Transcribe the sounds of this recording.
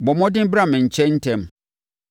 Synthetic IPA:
bɔ˨mɔ̃˦dɪ̃˦bɾa˦˨mɪ̃˨ɲ̩˨t͡ɕʰɛ̃˦n̩˦tʰɛ̃˦m

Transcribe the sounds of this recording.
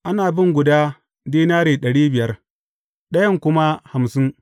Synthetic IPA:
ʔa˦naː˨bɪ˦ŋɡʷʊ˨daː˦ | diː˦naː˦ɽeː˨ɗɐ˨ɽiː˦bɪ˨jɐ˦r | ɗɐ˦jɐ˦ŋkʷʊ˦ma˦ha˨msɪ˦ŋ

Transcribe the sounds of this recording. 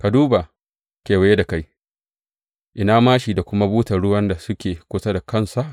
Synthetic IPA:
ka˨duː˦ba˨ | kʲeː˨wa˨je˦da˨ka˦j | ʔɪ˨naː˦maː˦ʃi˨da˨kʷʊ˦ma˦buː˦tɐ˨ɽʊ˦wɐ˦nda˨sʊ˦kʲeː˨kʷʊ˦sa˦da˨kʰɐ˦˨nsa˨ʔ

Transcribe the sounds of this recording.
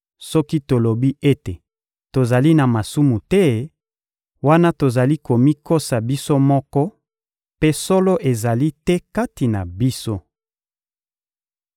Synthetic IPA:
sɔ˦ki˦to˨lo˨bi˦e˦te˨ | to˨za˨li˦na˨ma˨su˦mu˨tɛ˦ | wa˦na˦to˨za˨li˦ko˨mi˦ko˦sa˨bi˦so˦mɔ˦kɔ˦ | pe˦sɔ˦lo˦ʔe˨za˨li˦tɛ˦ka˦ti˨na˨bi˦so˦

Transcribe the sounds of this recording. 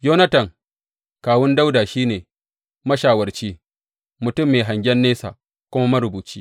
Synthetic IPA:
joː˦nɐ˦tɐ˨ŋ | kaː˨wʊ˦nda˦wdaː˨ʃiː˦neː˨ | mɐ˦ʃaː˨wɐ˨rt͡ʃiː˦ | mʊ˨tʊ˦mːeː˨ɦa˨ŋɡʲɛ˦nːeː˦sa̰ː˨ | kʷʊ˦ma˦mɐ˦ɾʊ˨buː˨t͡ʃiː˦

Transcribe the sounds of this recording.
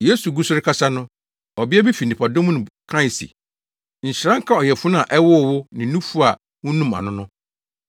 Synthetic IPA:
je˦su˨ɡu˦sʊ˦ɾɪ˦kʰa˦sa˦nʊ̃˦ | ɔ˨bɪ˦ɛ˦bi˦fi˨nĩ˨pʰa˨dõ˦m˦nʊ̃˨kʰã˦˨sḭ˨ | ɲ̩˨ɕɪ˨ɾã˦ŋ̩˦kʰa˦ɔ˨jɛ˨fʊ˦n˦ã˨ʔɛ˦wʊ˦˨wʊ˦nɪ̃˨nũ˦fu˦a˨ | wʊ̃˦nũ˦mã̰˨nʊ̃˦nʊ̃˦

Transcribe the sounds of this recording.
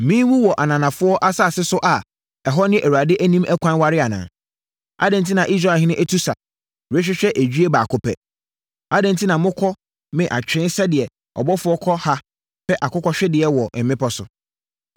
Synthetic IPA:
mĩː˦wu˦wɔ˨ʔa˨nã˨nã˨fʊ˦ɔ˦ʔa˦sa˦˨sɪ˦sʊ˦ʔa˨ | ɛ˨ɦɔ˦nɪ̃˦ʔæ˨ɾu˨a˨dɪ˦ʔæ˦nĩ˦mʔɛ˦kʷʰã˦nwa˦ɾɪ˦a˨nã̰ː˨ | a̰˦dɪ̃˨n˨tʰi˦nã˨ʔi˦s̬ɾa˦˨ɦɪ̃˦nʊ̃˦ʔæ˦tʰu˦sa̰˨ | we˦ɕᶣɪ˦ɕᶣɛ˦ʔe˨d͡ʑᶣi˦e˦baː˨kʰʊ˨pʰɛ̰˨ | a˦dɪ̃˨n˨tʰi˦nã˨mʊ̃˦kʰɔ˦ | mɪ̃˨ʔa̰˨t͡ɕᶣɾɪ̃˦n˦sɛ˦dɪ˨ɛ˨ | ɔ̰˨bɔ˦fʊ˦ɔ˦kʰɔ˦ha˦ | pʰɛ˦ʔa˨kʊ˦kɔ˦ɕᶣɛ˦dɪ˨ɛ˨wɔ˨m̩˨mɪ̃˦pʰɔ˦sʊ̰˨

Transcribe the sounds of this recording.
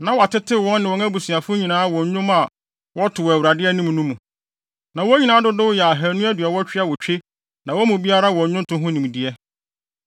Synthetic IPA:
nã˨wa˨tɪ˦tʰɪ˦wɔ̃˦nːɪ̃˨wɔ̃˨˦ŋa˦bu˨su˨a˨fʊ˦ɲĩ˨nãː˨˦wɔ̃˨ɲ˦ɲʊ̃˦ma˨ | wɔ˦tʰʊ˨wæ˨wu˨ɾa˨dɪ˦ɛ˦nĩ˦m˨nũ˦mũ˨ | nã˨wɔ˦ɲi˨nãː˦dʊ˦dʊ˦wʊ˦jɛ˨a˨ɦæ˨nũ˦æ˦dɥɛ˨wɔ˦t͡ɕᶣɪ˦a˨wɔ˨t͡ɕᶣe˦ | nã˨wɔ˦mũ˨bi˦a˦ɾa˦wɔ̃˨˦ɲʊ̃˦n˦tʰʊ̃˦ɦʊ̃˦nĩ˨m˨di˨ɛ˦

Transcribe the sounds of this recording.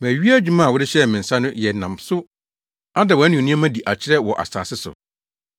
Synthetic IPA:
m˨æ̃˨ɥi˦æ˦d͡ʑᶣu˦mã˦˨wʊ˦ɾɪ˦ɕɛ˦mɪ̃˨n̩˨sa˦nʊ̃˦jɛ˨nã˨msʊ˦ | a˦dɛ˨wɔ˨˦nĩ˨nũ˦a˦mã˦di˨ʔa˨t͡ɕʰɪ˦ɾɛ˦wɔ˨ʔa̰˨sa̰ː˨sɪ˦sʊ̰˨

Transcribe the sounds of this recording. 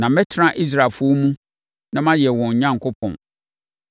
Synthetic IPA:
nã˨mɛ˦tʰɪ˦ɾã˦ʔi˦s̬ɾa˨lfʊ˦ɔ˦mũ˦ | nã˦mã˦jɛ˨wɔ̃˨ɲ˨ɲã˦ŋ˨kʰʊ˦pʰɔ̰̃˨n

